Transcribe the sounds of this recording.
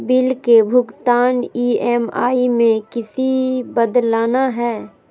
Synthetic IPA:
bɪlkebʱʊɡt̪aːniːɛːma̰ːimẽkɪsibəd̪laːnaɦɛː

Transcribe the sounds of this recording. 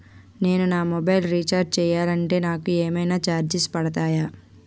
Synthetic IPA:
ne̞ːnunaːmɔbɐjlɾit͡ʃaːɾd͡ʒt͡ʃɛːjaːlɐɳʈe̞ːnaːkueːmɐjnaːt͡ʃaːɾd͡ʒispɐɽɐt̪aːjaː

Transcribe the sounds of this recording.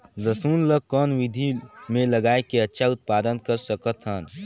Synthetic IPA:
zəsuːnləkːɔːnʋɪd̪ʱimẽləɡaːekeɐtːʃʰaʊt̪̚paːd̪ənkəɾsəkət̪ɦən

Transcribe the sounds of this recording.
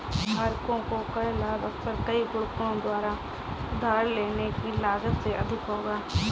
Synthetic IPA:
ɦaːɾkõkokɐɛlaːbɐksəɾkəiɡʊɽkõd̪waːɾa | ʊd̪ʱaːɾleːnekilaːzət̪seʔɐd̪ʱɪkɦoːɡaː

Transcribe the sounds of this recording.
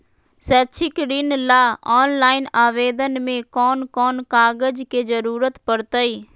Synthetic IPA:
sɛːt͡ʃʰɪkɾɪnlaːɔːnlaːɪnaːʋeːd̪ənmẽːkɔːnkɔːnkaːɡəd͡ʒkeːd͡ʒəɾuːɾət̪pəɽt̪əiː

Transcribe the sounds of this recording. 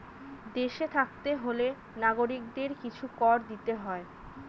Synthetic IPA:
d̪eʃet̪ʰak̚t̪eɦole | naɡoɾikd̪eɾkit͡ɕʰukɔɾd̪it̪eɦɔe

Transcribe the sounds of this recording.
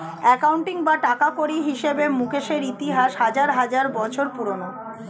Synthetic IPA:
ɛkawɳʈiŋbaʈakakoɾiɦiʃebemukeʃeɾit̪iɦaʃɦad͡ʑaɾɦad͡ʑaɾbɔt͡ɕʰoɾpuɾono

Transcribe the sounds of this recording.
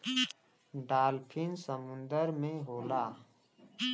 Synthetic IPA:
ɖaːlpʰɪnsəmʊ̃nd̪əɾmẽɦoːlaː

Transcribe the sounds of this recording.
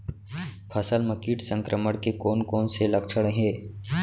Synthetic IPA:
pʰəsəlməkiːʈsə̃ŋkɾʔəməɽkekoːnkoːnselɐkt͡ʃʰəɽɦẽː

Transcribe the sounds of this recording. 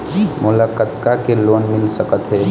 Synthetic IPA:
mulakət̪kakelonmilsəkət̪ɦɛ

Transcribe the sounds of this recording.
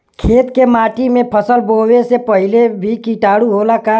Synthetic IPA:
kʰeːt̪kemaːʈimẽpʰəsəlbowesepəɦilebʱikiʈaːɽuɦolaka

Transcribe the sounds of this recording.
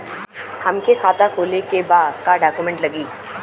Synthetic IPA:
hɐmkekʰaːt̪akʰoːlekebaːd̪kaɖaːkumɛ̃ɳʈlɐɡiː

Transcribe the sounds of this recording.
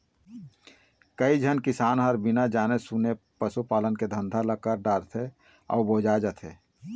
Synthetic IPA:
kəid͡ʒʱənkɪsaːnɦəɾbɪnad͡ʒaːnesune | pəsupaːlənked̪ʱə̃nd̪ʱaləkːəɾɖaːɾt̪ʰe | ɔ̰ːboːd͡ʒad͡ʒət̪ʰeː

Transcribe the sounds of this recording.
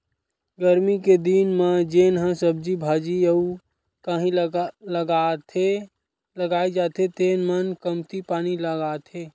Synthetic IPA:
ɡəɾmiked̪inmãd͡ʒeːnɦãsəb̚d͡ʒibʱaːd͡ʒiəu | kaɦĩləɡat̪ʰe | ləɡaːed͡ʒat̪ʰet̪eːnmənkəmt̪ipaːniləɡat̪ʰeː

